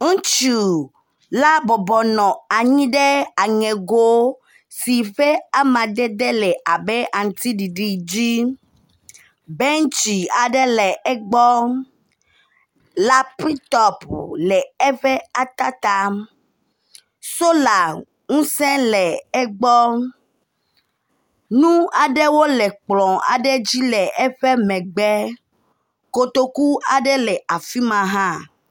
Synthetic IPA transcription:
ŋũ˦t͡ʃu˨ | la˦bɔ˨bɔ˨nɔ̃˨a˨ɲĩ˦ɖe˦a˨ŋɛ̃˨ɡo˦ | si˨ɸe˦a˦mã˨d̪ɛ˦d̪ɛ˦lɛ˨ʔa˨bɛ˦ʔa˨ŋ̩˨t̪i˦ɖi˨ɖi˦d͡ʑi˦ | bɛ˦ŋ˦t͡ʃi˨a˨ɖɛ˦lɛ˨ɛ˦ɡ͡bɔ˦ | la˦pi˦t̪ɔ˦plɛ˨ɛ˦ɸɛ˦a˨t̪a˦t̪a˦m | so˦la˨ | ŋũ˦sɛ̃˦lɛ˨ɛ˦ɡ͡bɔ˦ | nũ˦a˨ɖɛ˦wo˦lɛ˨k͡plɔ̃˨a̰˨ɖɛ˦d͡ʑi˦lɛ˨ɛ˦ɸɛ˦mɛ̃˨ɡ͡bɛ˦ | ko˨t̪o˦ku˦a˨ɖɛ˦lɛ˨a˨fi˦mã˨ɦã˦

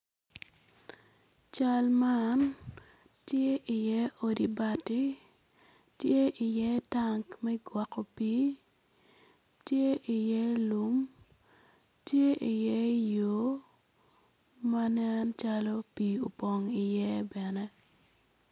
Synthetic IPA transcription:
t͡ʃa˦lma˦n | tje˦ʔi˨jɛ˦o˨di˨ba˨ti˦ | tje˦ʔɪ˨jɛ˦ta˦ŋkmɛ˦ɡwa˨ko˨pi˦ | tje˦ʔi˨jɛ˦lu˦m | tje˦ʔi˨jɛ˦jo˦ | ma˦nɛ˦nt͡ʃalo˦pi˨o˨po˨ŋi˨jɛ˦bɛ˨nɛ˦

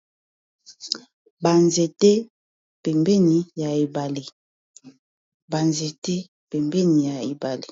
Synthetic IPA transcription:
ba˨nze˨tɛ˦ | pɛ˨mbɛ˦ni˨ja˨e˨ba˨le˨ | ba˨nze˨tɛ˦ | pɛ˨mbɛ˦ni˨ja˨e˨ba˨le˨

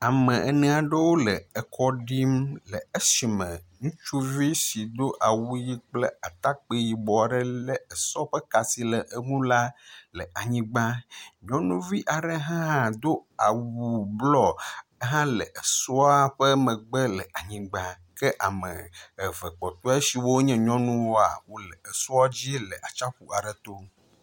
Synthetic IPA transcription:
a˨mɛ̃˨ʔɛ˨nɛ̃˨a˨ɖə˦wo˦lə˨ə˨kʰɔ˦ɖi˦mlə˨ə˦si˨mə̃˨ŋũ˦t͡ʃu˦vi˦si˨d̪o˦ʔa˨wu˦ji˦k͡plə˦a˨t̪a˦k͡pe˦ji˨bɔ˨a˨ɖə˦lə˦ə˨sɔ˦ɸɛ˦ka˨si˦lə˨ʔə˦ŋũ˦la˦lə˨ʔa˨ɲĩ˦ɡ͡ba˦ɲɔ̃˦nũ˦vi˦ʔa˨ɖɛ˦ɦã˦ɦã˦d̪o˦a˨wu˨blɔ˨˦ɦã˦lɛ˨ʔe˨sɔ˦a˦ɸɛ˦mɛ̃˨ɡ͡bɛ˦lɛ˨ʔa˨ɲĩ˨ɡ͡bã˦ | kɛ˦ʔa̰˨mɛ̰̃˨ɛ˨vɛ˨k͡pɔ˨t̪o˦a˦si˨wo˦ɲɛ̃˦ɲɔ̃˦nũ˦wo˦a̰˨wo˦lɛ˨e˨sɔ˦a˦d͡ʑi˦e˦lɛ˨ʔa˨t͡ʃa˦ɸu˨a˨ɖɛ˨t̪o˦

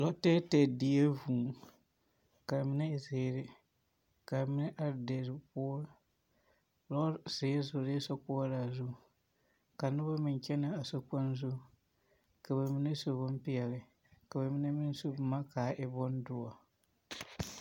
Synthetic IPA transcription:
lɔ˦tɛː˦tɛ˨di˨e˦vuː˨ | ka˨mɪ˦nɛ˦ɪ˨zeː˨ɾɪ˦ | ka˨mɪ˦nɛ˦ʔa˨ɾde˨ɾɪ˨pʊː˦ | lɔ˦sɪː˨˦zʊ˨ɾe˦sɔ˦k͡pʊ˦ɾa˨zʊ˦˨ | ka˨nʊ˦ba˦mɪ˨n˨t͡ʃɛ˦na˦a˨so˦k͡pa˦nzu˦ | ka˨ba˨mɪ˦ne˦so˨bʊ˦m˦pɪ˦ɛ˨lɪ˨ | ka˨ba˨mɪ˦nɛ˦mɪ˦n˦so˦bma˦kaː˨ʔɪ˦bɔ˦n˦dʊ˦a˨

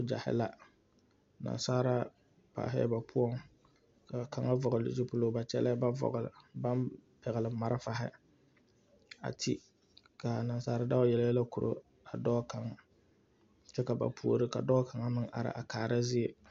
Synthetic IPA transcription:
d͡ʒa˨hɪ̰˦la˦ | na̰˨nsaː˦ɾa˦ | pa̰ː˨ɦɛ̰˦ba˨pʰʊ˦ɔ˦ŋ | ka˨ka˨ŋa˦vɔ˨ɣʊ˨lɪ̰˨d͡ʒi˦pʊ˦lo˦ba˨t͡ʃɛ˦lɛ˦ba˦vɔ̰˨ɣʊ˨lɪ̰˨ba˦npɛ˨ɣɪ˨lɪ˨ma˨ɾɪ˦fa˦ɦɪ̰˦ | a̰˨tʰi˦ | ka˨na˨nsaː˦ɾa˦da˦jɛ˨ljɛ˦la˦ku˨ɾʔo̰˦ | a˨dɔː˦ka˨ŋa˨ | t͡ʃɛ˦ka˨ba̰˨pʰu˦o˨˦ɾɨ˦ka˨dɔː˦kʰa˨ŋa˦mɨ˦ŋʔa̰˨ɾɪ̰˨ʔa˨kaː˨ɾa˦zɪ˦e˨

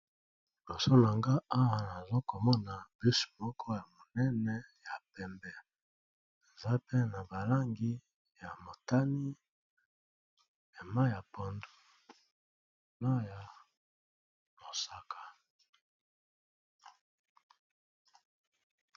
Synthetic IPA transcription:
lo˨so˦n˨a˨ŋɡa˦a˦wa˨na˨zo˦ko˨mɔ˦na˨b̥i˦su̥˨mɔ˦kʰɔ˦ja˨mo˨nɛ˦nɛ˦ja˨pɛ˨mbɛ˦ | e˨za˦pe˦na˨ba˨la˦ŋɡi˦ | ja˨mo˨ta˦ni˦ | e˨ma˦ja˨po˨ndo˦ | no˦ja˨ | mo˨sa˨kʰḁ˨

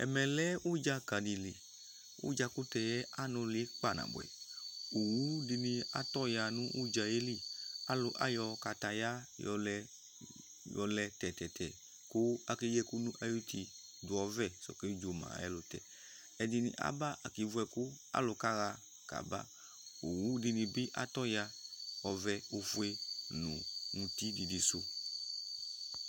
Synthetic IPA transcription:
ɛ̰˨mɛ˨lɛ˦ʔu˦d͡ʒa˧ka˨di˨li˨ | ṵ˦d͡ʒa˧ku˦tɛ˧jɛ˦ʔa˦nɔ̃˧li˨˦ɛ˦k͡pa˦˨nã̰˨bʊ̰˨ɛ̰˨u˨wu˦di˧nĩ˧a˨t̪ɔ˦ja˧nũ˦ʔu˦d͡ʒa˧je˦li˦˨a˦lʊ˧ʔa̰˦jɔ˧ka˨ta˨ja˦jɔ˧lɛ˧ | jɔ˨lɛ˧tɛ˨tɛ˨tɛ̰˨ | kʊ˦a˨ke˦jɛ˦ku˦nũ˦ʔa˦ju˦t̪i˧ | dʊ˨ɔ˨vɛ˦˨sɔ̰˨ke˦d͡ʒo˨mã̰˨ɛ̰˦lʊ˨t̪ɛ̰˨ | ɛ˨di˧nḭ̃˨ʔa̰˦ba˦ʔa̰˨ki˨vu˦ɛ˨kʊ˦a̰˦lʊ˨ka˦ɣa˧ | ka̰˨ba̰˦ | o˨wu˦di˧nĩ˨bɪ˦ʔa̰˨t̪ɔ˦ja˧ɔ˨vɛ˧o˧fu˦e˦nṵ̃˨ŋũ˨t̪i˦di˨di˨sʊ˦

